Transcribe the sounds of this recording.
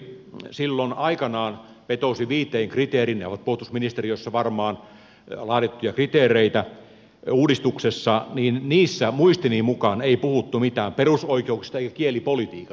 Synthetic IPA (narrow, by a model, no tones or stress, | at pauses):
silːonɑikɑnɑːn | ʋet̪osiʋiːt̪ˑeiŋkrit̪eːrinneo̰ʋɑt̪̚pohut̪usminist̪erijoisːɑʋɑrmɑːn | lɑːtet̪ːujɑkrit̪eːrˑeit̪æ | uːdist̪uksesːɑniːnniːsːæmuist̪iniːmukɑneipuhut̪ːumit̪æːmperusoikeuksist̪ɑeˑikækielipolit̪iːkɑ